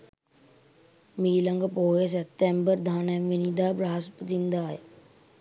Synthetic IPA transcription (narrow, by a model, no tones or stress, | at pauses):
miːlɐ̃ŋɡpoːes̬et̪embəɾd̪ʱaːnemʋinid̪aːbɾaːspət̪ĩnd̪aːj